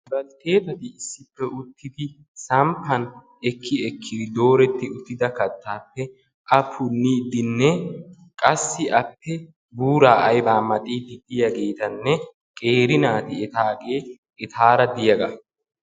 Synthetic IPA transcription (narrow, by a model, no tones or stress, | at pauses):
bɐlt̪e̞ːt̪ɐt̪ɪːsːɪpːɛʔʊt̪ːɪd̪ɪ | sɐmpːɐn | ɛkʰːɪɛkʰːɪd̪ɪd̪o̞ːɾɛt̪ːɪʊt̪ːɪd̪ɐkɐt̪ːaːpːɛ | ʔɐpʰʊnːiːd̪ɪnːɛ | kʼɐsːɪʔɐpːɛ | buːɾaːʔɐjbaːmɐt̪ʼiːd̪ɪd̪ɪjɐɡeːt̪ɐnːɛ | kʼe̞ːɾɪnaːt̪ɪɛt̪aːkʼeː | ɛt̪ʰaːɾɐd̪ɪjɐɡɐ